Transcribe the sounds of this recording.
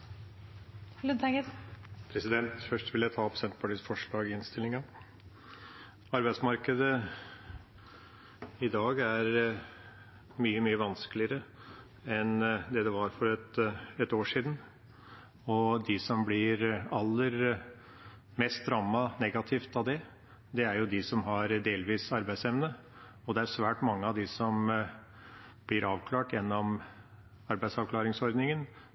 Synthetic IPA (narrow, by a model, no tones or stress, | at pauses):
lʉd̪ɛɡəpʰɾɛsɪd̪ɛnt̪fœʂʈʋɪljæɪt̪ʰɑːpsɛnt̪pʰɑʈiːsfɔʂɭɑːɡɪɪnst̪ɪlːɪŋɑ | ɑɾbæɪsmɑɾkəd̪ə | ɪd̪ɑːɡæɾ | myːəmyːəʋɑnsklɪəɾə | ɛnd̪ɛd̪ɛʋɑɾfɔɾɛt̪ɛt̪oːʂiːd̪n̩ | ɔd̪ɪsɔmblɪɾɑlːəɾ | mɛst̪ɾɑːmːɑnɛɡɑt̪ʰɪft̪ɑʋd̪ɛ | d̪ɛæɾjʊd̪ɪsɔmɦɑɾd̪eːlʋiːsɑɾbæɪsɛʋnə | ɔd̪ɛæɾsʋæːʈmɑŋːəɑd̪ɪsɔm | blɪɾɑːʋkʰlɑːʈjɛnːɔm | ɑɾbæɪsɑʋkʰlɑːɾɪŋsɔɾd̪nɪŋən